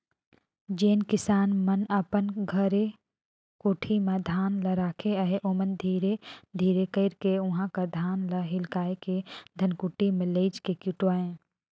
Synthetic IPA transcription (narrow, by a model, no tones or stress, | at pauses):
d͡ʒeːnkɪsaːnmənəpənɡʱəɾe | kuʈʰimẽd̪ʱaːnləɾaːkʰeəɦeʔomənd̪ʱiːɾed̪ʱiːɾekəɪɾkeʊɦãkəd̪ʱaːnləɦɪlkaːeked̪ʱənkuːʈimẽleːd͡ʒkekʊʈwaːẽː